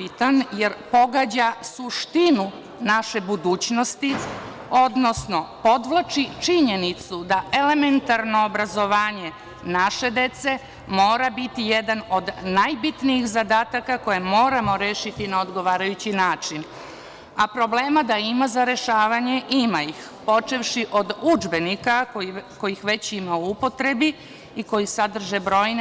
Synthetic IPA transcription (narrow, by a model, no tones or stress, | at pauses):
it̪anjeɾpo̞ɡaːd͡ʑasuʃt̪inu | naʃe̞bud̪uːt͡ɕno̞st̪i | o̞d̪no̞sno̞po̞d̪ʋlˠat͡ʃit͡ʃiɲe̞nit̪sud̪aʔe̞le̞me̞nt̪aɾno̞ːbɾazo̞ʋaːɲe̞ | naʃe̞d̪e̞t̪se̞ | mo̞ːɾabit̪ije̞d̪ano̞d̪najbit̪nijixzad̪aːt̪akako̞je̞mo̞ːɾamo̞ɾeːʃit̪inaod̪ɡo̞ʋaːɾajut͡ɕinaːt͡ʃin | apɾo̞ble̞ːmad̪aimazaɾe̞ʃaːʋaɲe̞ʔimaix | po̞t͡ʃeʋʃiʔo̞d̪ud͡ʒbe̞nikaoko̞jixʋe̞t͡ɕimauupo̞t̪ɾe̞bi | iko̞jisad̪r̩ʒe̞bɾo̞ːjn